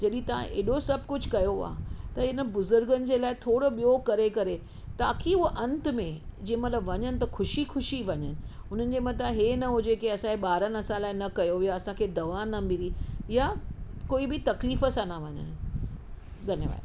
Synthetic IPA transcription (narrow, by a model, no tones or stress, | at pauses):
d͡ʑɐɗĩt̪ɐʋ̤ã̰ʔḛːɗosɐb̚ʱkʊd͡ʑʱkɐjoa̰ːt̪ɐɪnə̆bʊzʊɾɡənɪ̆d͡ʑeːlaːɪt̪ʰoːɽoɓijokɐɾekɐɾe | t̪aːkʰiʊɦʔɐ̃nt̪mẽd͡ʑĩːẽmɐt̪ləbʋɐɲənɪ̆t̪ɐxʰʊʃixʊʃiʋɐɲənɪ̆ʊn̤ənɪ̆d͡ʑeːmɐt̪aɦeːnɐɦod͡ʑeːkeɐsãkeɓaːɾənɐsãlaːɪnɐkɐjojaɐsãkʰeːd̪ɐʋanɐmiɾijakoːibɪt̪ɐkliːfəsãnɐʋɐɲə̰n | ɡʱɐneʋa̰ːj